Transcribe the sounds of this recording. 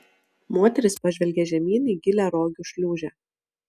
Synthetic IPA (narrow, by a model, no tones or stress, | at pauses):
moːt̪ʲɛɾʲɪspɐʒʲʋʲɛlʲɡʲɛʒʲɛmʲiːniɡʲɪlʲæːɾoːɡʲʊʃʲlʲuːʒʲæː